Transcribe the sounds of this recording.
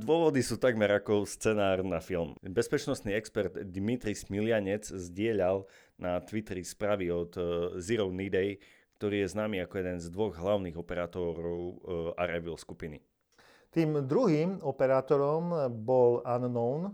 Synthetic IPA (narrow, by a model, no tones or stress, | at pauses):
d̪ʊɔʋɔd̪isuːt̪aɡmɛɾakɔst͡sɛnaːrnafilmbɛspɛt͡ʃnɔst̪niːɛkspɛɾd̪d̪mit̪ɾismilɪaɲɛd͡zzɟɪɛʎal | nat̪ʋit̪ɾispɾaːʋiɔt̪ziɾɔʊnid̪ɛj | kt̪ɔɾiːjɛznaːmiːakɔjɛd̪ɛnzd̪ʋɔɣɦlaʊniːɣɔpɛɾaːt̪ɔɾɔʊa̰ɾɛʋilskupinḭ | t̪iːmd̪ɾuɦimɔpɛɾaːt̪ɔɾɔmbɔlannɔʊn